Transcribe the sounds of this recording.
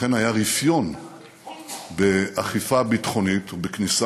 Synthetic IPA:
e̞najaʁifjo̞n | beaχifabitχo̞nitbeknisa

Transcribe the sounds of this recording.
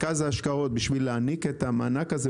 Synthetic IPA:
kazaːʃkao̞t̪̚biʃvilːeaniket̪amaːnakaze

